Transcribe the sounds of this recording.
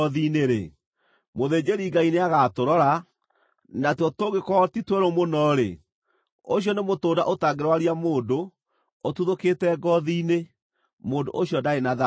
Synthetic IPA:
ðineɾḛ | moðeːd͡ʑeɾiŋɡaineaɣatoɾɔɾa | natɔtoɣekɔtitweɾomonɔɾḛ | oɕijɔnemotoːda̰ʔotaɡeɾwaɾiamoːndoː | tuðoketɛɡɔðiːne | moːndo̰ʔoɕjɔdaenaða

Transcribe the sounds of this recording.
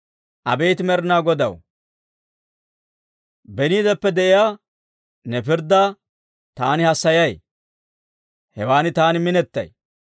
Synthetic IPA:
ʔɐbejt̪ɪmɛɾɪnaːɡɔd̪ɐ̰w | bɛniːd̪ɛpːɛd̪ɛʔɪjaː | nɛpɪɾd̪ːaː | t̪aːnɪhɐsːɐjɐj | hɛwaːnɪt̪aːnɪmɪnɛt̪ːɐ̰j

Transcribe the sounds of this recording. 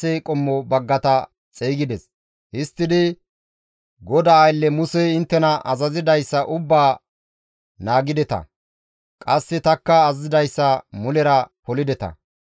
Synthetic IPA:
ɛkʼɔmːɔbɐɡːɐt̪ɐ | t͡sʼeːɡɪd̪ɛs | hɪst̪ːɪd̪ɪ | ɡɔd̪ɐːjlːɛmʊsɛɪnt̪ːɛnɐʔɐzɐzɪd̪ɐjsːɐʔʊbːaː | naːɡɪd̪ɛt̪ɐ̰ | kʼɐsːɛt̪ɐkːɐːzɪd̪ɐjsːɐmʊlɛɾɐpɔlɪd̪ɛt̪ɐ̰

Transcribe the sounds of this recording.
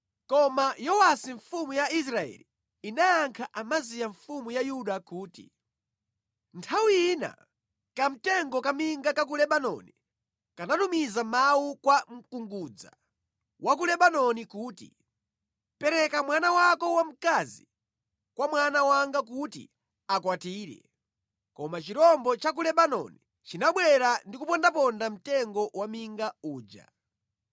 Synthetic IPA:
kɔmajɔwasiɱfumujais̬ɾaɛ̰li | inaːŋkʰaʔamazijaɱfumujajuɗakuːtḭ | ntʰawiina̰ | kam̩tɛŋɡɔkamiŋɡakak̬ulɛɓanɔ̰ni | kanatumizamawukwam̩kuŋɡuːd͡za̰ | wʔak̬ulɛɓanɔnikuːtḭ | pɛɾɛkamwanawakɔwam̩kazi | kwamwanawaŋɡak̬utḭ | akwatiːɾɛ̰ | kɔmat͡ʃiɾɔmbɔt͡ʃak̬ulɛɓanɔ̰ni | t͡ʃinaɓwɛɾandikupɔndapɔndam̩tɛŋɡɔwamiŋɡauːd͡ʒa̰

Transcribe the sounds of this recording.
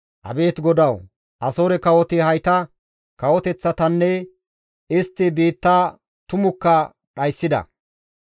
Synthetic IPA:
ʔɐ̰be̞ːt̪ɡɔd̪ɐw | ʔɐsoːɾɛkɐwɔt̪ɪhɐjt̪ɐ | kɐwɔt̪ɛt͡sːɐt̪ɐnːɛ | ɪst̪ːɪbiːt̪ːa | t̪ʊmʊkːɐ | ᶑɐjsːɪd̪ɐ̰

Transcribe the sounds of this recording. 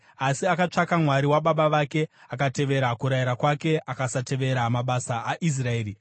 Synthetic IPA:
asiakat͡ʂakamwaɾiwaɓaɓaʋake̞akate̞ʋe̞ɾakuɾajiɾakwake̞ʔakasate̞ʋe̞ɾamaɓasaʔːʔis̬rae̞ːɾi

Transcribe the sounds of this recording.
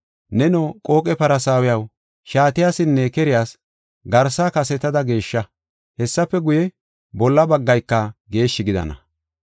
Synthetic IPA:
nɛnokʼo̞ːkʼɛpɐɾɐsaːwɪjɐw | ʃaːt̪ɪjaːsɪnːɛkɛɾɪjaːs | ɡɐɾsaːkɐsɛt̪ɐd̪ɐɡe̞ːʃːɐ | hɛsːɐpːɛɡʊjɛ | bɔlːɐbɐɡːɐjkːɐɡe̞ːʃːɪɡɪd̪ɐ̰nɐ̰

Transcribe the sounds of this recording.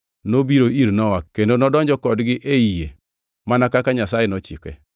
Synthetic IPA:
nobiɾoiɾnɔwakkːendonɔdɔɲd͡ʒɔkɔdɡɪʔeije | manakakaɲasajenɔt͡ʃḭkɛ̰

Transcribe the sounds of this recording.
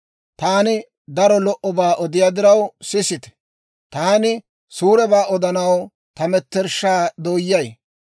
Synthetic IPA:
t̪aːnɪ | d̪ɐɾɔlɔʔɔbaːʔɔd̪ɪjaːd̪ɪɾɐwsɪsɪt̪ɛ̥ | t̪aːnɪ | suːɾɛbaːɔd̪ɐnɐw | t̪ɐmɛt̪ːɛɾʃaːd̪oːjːɐj

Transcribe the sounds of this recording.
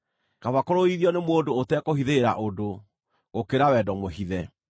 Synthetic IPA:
kavakoɾoiðiɔnemwodoːtɛkohiðeːɾa̰ʔodo | ɣokeɾawɛdɔmoɦiðɛ

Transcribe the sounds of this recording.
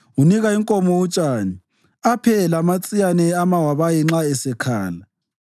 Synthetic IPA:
uniɣaiŋkʼomɔwut͡ʃʼaːni | apʰɛlamat͡sʼijanɛamawaβajiŋ͡ǁaɛsɛkʰa̰ːla

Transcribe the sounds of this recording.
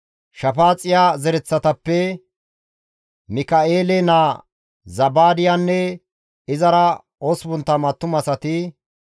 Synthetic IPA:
ʃɐfaːt͡sʼɪjaːzɛɾɛt͡sːɐt̪ɐpːɛ | mɪkɐeːlɛnaː | zɐbaːd̪ɪjaːnːɛ | ɪzɐɾɐ | osbʊnt̪ːɐmɐt̪ːʊmɐsɐt̪ɪ

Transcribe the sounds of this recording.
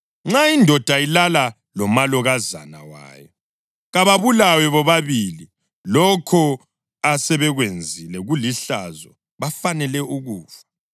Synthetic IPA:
ŋ͡ǁaindʱɔd̥ʱailala | lɔmalɔɣaza̰na̰wa̰ːjɔ | ɣaβaβulawɛβɔβaβili | lɔkʰɔ | asɛβɛɣwend͡zʱilɛɣuliɬa̰zɔ | βafanɛlɛʔuɣuːfḁ

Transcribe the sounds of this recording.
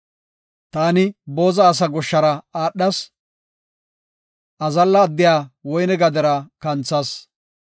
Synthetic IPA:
t̪aːnɪbo̞ːzɐːs̬ɐɡɔʃːɐɾɐaːɗːɐs | ʔɐzɐlːɐːd̪ːɪjaːwɔjnɛɡɐd̪ɛɾɐkɐnt͡sːɐs

